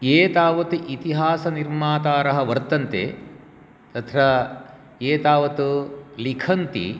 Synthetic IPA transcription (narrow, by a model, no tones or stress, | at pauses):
eːt̪aːʋɐt̪uʔit̪iɦaːsɐniɾmaːt̪aːɾɐɦɐ̆ʋɐɾt̪ːɐnt̪ḛ | t̪ɐt̪ʰɾa | eːt̪aːʋɐt̪ulikʰɐnt̪ḭ